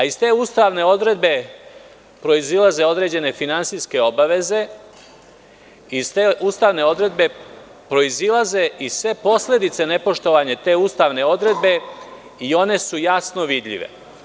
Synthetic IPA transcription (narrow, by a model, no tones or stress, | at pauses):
aist̪e̞ːuːst̪aʋne̞o̞d̪ɾe̞d̪be̞ | pɾo̞izilaze̞o̞d̪ɾe̞ːd͡ʑe̞ne̞finant̪siske̞o̞baʋe̞ze̞ | ist̪eʔuːst̪aːʋne̞o̞d̪ɾe̞d̪be̞ | pɾo̞izilaze̞ʔisʋe̞po̞sle̞d̪it̪sene̞po̞ʃt̪o̞ʋaːɲet̪e̞ːuːst̪aːʋne̞o̞d̪ɾe̞d̪̚be̞ | io̞ne̞sujasno̞ʋid̪ʎḭʋḛ